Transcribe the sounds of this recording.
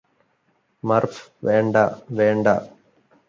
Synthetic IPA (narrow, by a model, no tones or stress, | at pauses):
mɐrfʋeːɳɖaʋeːɳɖa̰